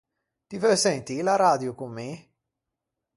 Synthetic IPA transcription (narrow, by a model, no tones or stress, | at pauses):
t̪ivœsɛnt̪ilaɾaːd̪jukumːi